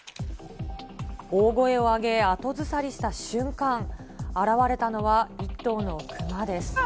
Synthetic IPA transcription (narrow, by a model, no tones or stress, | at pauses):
oːɡo̞e̞o̞aɡe̞at̪o̞zɨsaɾʲiɕi̥t̪aɕɨ̃ŋkãŋ | aɾaβaɾe̞t̪ano̞βait̪ːo̞ːno̞kʰɯ̟mad̪e̞sɨ̥